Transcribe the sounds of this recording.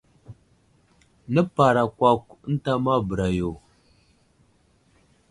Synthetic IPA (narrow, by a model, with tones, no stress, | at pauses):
nə˦pa˨ɾa˨kʷa˦kə˦n̩˦ta˦ma˦bə˨ɾa˨jo˨